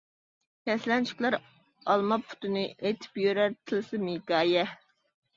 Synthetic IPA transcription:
kʲʰɛslɛnt͡ʃʰi̥kʲlˠɑɾ | ɑlˠmɑpːʰʊ̥t̪ʰɨnɨʔet̪ʰɪ̥pjøɾæɾt̪ʰɨlɨsɨmikɑːjɛ

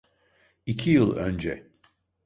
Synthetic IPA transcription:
icʰijɯlˠø̰nd͡ʒɛ̰

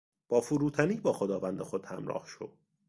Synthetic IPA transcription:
b̥ɒːfuɾuːt̪ʰæniːbɒːxod̪ɒːvænd̪exod̪̥hæmɾɒ̰ːhʃo

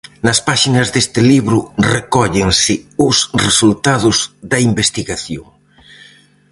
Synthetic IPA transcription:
nɐspaʃinɐzðest̪ɪliβɾʊrekɔʎeŋsɪʊsresult̪aðʊzðɐimbest̪iɣaθjo̰ŋ

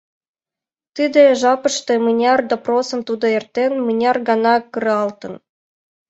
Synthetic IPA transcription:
t̪ɨd̪ĕʒɑpɤ̆ʃt̪ĕmɯnʲɑrd̪oprosɤ̆mt̪ud̪ɤ̆ert̪ːenmɨnʲɑrɡɑnɑkɯɾɑlt̪ɤ̆n

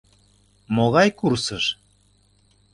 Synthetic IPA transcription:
moɣɑjkursəʃ

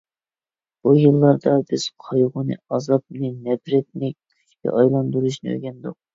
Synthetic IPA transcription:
b̥ujɨlˠːɑɾd̪ɑbɪz̥qʰɑjʁʊnɨ̰ɑzɑp̚nɨnɛbɾɛt̪̚nɪk̚ʲʰ | y̥t͡ʃʰʲkʲɛ̰ʔɑjlˠɑnd̪uɾuʃnɨ̰ø̰ɡʲɛnd̪ʊq̚

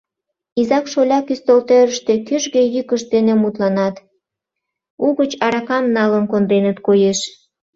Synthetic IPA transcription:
izɑkʃolʲɑkyst̪olt̪øɾəʃt̪ekyʒɣejykəʃd̪enemut̪lɑnɑt̪ | uɣət͡ɕɑɾɑkɑmnɑlənkond̪ɾenət̪kojeʃ

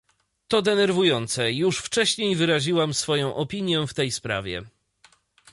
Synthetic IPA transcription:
t̪ɔd̪ɛnɛɾvujɔnt̪sɛjuʂft͡ʂɛɕɲejvɘɾaʑiwamsfɔjɔ̃w̃ʔɔpʲiɲjɛft̪ɛjspɾa̰vʲjɛ̰

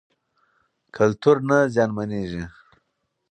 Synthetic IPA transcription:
kʰalt̪uɾnazjɑːnmaneʒi

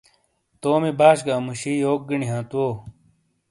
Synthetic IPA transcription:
t̪oːmibaːɕɡaːmuɕiːjoːk̚ɡiɳiɦãːt̪uoː

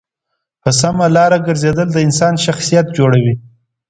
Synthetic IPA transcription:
pəs̬amalɑɾaɡəɾzed̪əld̪əɪnsɑnʃaxsijat̪̚d͡ʒoɽawi

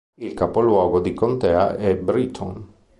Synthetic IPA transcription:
ilkapolwɔːɡod̪ikont̪ɛːa̰ʔɛbɾit̪ʰɔn

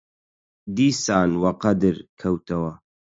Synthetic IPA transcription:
d̪iːsaːnwɐqɐd̪ɨɾkʰɐwt̪ʰɐwɐ

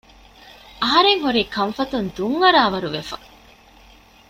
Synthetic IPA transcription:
ɐɦɐɾeŋɦuɾiːkɐɱfɐt̪und̪uŋːɐɾaːʋɐɾuʋefɐ

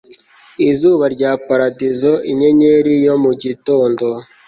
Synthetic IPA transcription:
izuːβaɾɟaːpaɾadizo̞iɲeɲeɾijomuɟito̞ːndo̞

